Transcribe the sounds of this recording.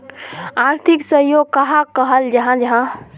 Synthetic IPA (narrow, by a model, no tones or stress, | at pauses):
aɾt̪ʰiksəɦjoɡ̚kəɦãkəɦəld͡ʒəɦãd͡ʒɐɦã